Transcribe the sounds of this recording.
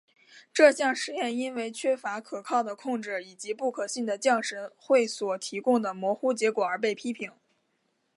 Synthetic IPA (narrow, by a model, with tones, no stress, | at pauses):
ʈ͡ʂɤ˥˧ɕjɑ˥˩ŋʂɻ̩˧˥jɛ˥˩ni˥nwe˥˩ɪt͡ɕʰɥɛ˥fa˧˥kʰɤ˨˩kʰɑ˥˩ʊd̪ə˩kʰʊ˥˧ŋʈ͡ʂɻ̩˥˩i˨˩t͡ɕi˧˥pu˥˩kʰɤ˨˩ɕi˥˩ŋd̪ə˩t͡ɕjɑ˥˩ŋʂɻə˧˥nxwe˥˩ɪswɔ˨˩t̪ʰi˧˥kʊ˥˧ŋd̪ə˩mwɔ˧˥xu˥˩t͡ɕjɛ˧˥kwɔ˨˩ə˞˧˥p̬e˥˩ɪpʰi˥pʰi˧˥ŋ